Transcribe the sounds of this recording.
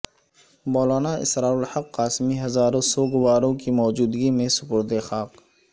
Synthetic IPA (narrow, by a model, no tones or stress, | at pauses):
bɔːlaːnaʔɪ̰sɾaːʊlhɐqːaːsmiɦɐzaːɾõsɔːɡʊʋaːɾõkimɔːd͡ʒuːd̪ɡimẽsʊpʊɾd̪exaːq